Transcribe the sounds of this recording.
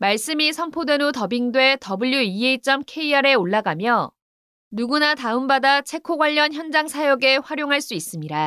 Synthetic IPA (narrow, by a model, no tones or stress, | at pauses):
maɭs͈ɯmisʰʌmpʰodwe̞notʌbiŋdwe̞tʌbuʎːuieit͡ɕ͈ʌmkʰe̞iaɾe̞oɭːaɡamjʌ | nuɡunataɯmbadat͡ɕʰe̞kʰoɡwaʎːʌnçjʌnd͡ʑaŋsʰajoɡe̞ɸwaɾjoŋɦaɭs͈uis͈ɯmɲiɾa